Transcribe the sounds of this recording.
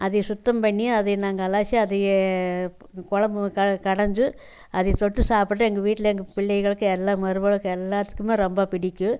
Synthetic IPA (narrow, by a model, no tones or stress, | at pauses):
ʔɐðɐjsʊt̪ːɐmpɐɳːɪ̃ɐðɐjnaːŋɡɐɐlaːt͡ʃːiɐðɐj | kɔɻɐmbkɐkɐɽɐɲd͡ʒɯ | ʔɐðɐjt̪ɔʈːɯsaːpɯʈ̬ːɯɛŋɡɐʋiːʈːɪlɐɛŋɡɐpɪɭːɐɪɣɐɭɯkːɯɛlːaːmɐɾɯbɐɭɯkːɯɛlːaːt̪ːɯ̥kːɯmeːɾɔmbɐpɪɽɪkʲːɯ